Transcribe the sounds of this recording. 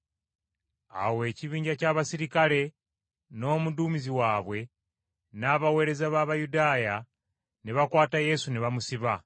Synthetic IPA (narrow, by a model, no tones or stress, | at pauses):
a̰we̞ːciβiːɲɟacaːβasiɾikale̞ | no̞ːmuduːmiziwaːβwe̞ | naːβawe̞ːɾe̞zaβaβajudaːja | niβakwaːtaje̞suniβamusiβa